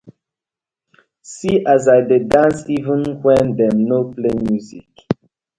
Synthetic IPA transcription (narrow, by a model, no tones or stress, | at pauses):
siʔazajdedãnsivə̃nhwɛ̃ndɛ̃mnoplemjuzḭk